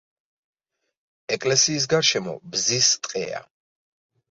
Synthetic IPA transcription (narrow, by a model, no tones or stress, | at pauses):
ɛkʼlɛsiːs̬ɡaɾʃɛmɔ̰bzist̪ʼqʼɛ̰a̰